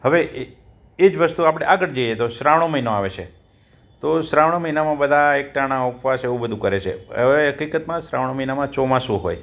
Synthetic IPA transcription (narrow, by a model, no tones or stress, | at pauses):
ɦəʋeʔ | ed͡ʒʋəst̪uapɽ̃eʔaɡəɽd͡ʒojet̪osɾaʋɽ̃oməɦinoaʋet͡ʃʰḛ | t̪osɾaʋɽ̃oməinamãbəd̪ʱaek̚ʈaɽ̃aukʋaseũbəd̪ʱũkəɾet͡ʃʰḛə̰ʋeɦəkikət̪mãsɾaʋɽ̃oməɦinamãt͡ʃomãsũɦo̰j